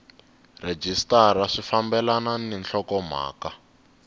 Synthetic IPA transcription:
red͡ʒistaraʂifambɛlananɛnɬʰɔkɔm̤a̰ːka

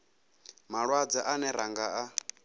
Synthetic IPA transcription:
maɺwad͡zaʔanɛɾaŋɡaa

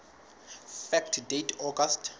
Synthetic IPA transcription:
fɛktʰdetʰɔɡastʰ

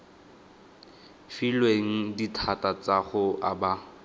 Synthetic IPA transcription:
filweŋ̩ditʰatat͡saχʊʔaba

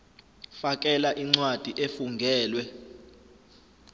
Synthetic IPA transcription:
fak̬ʼɛlaʔiŋ͡ǀwad̥ʱiʔefuŋɡʱɛːlwɛ

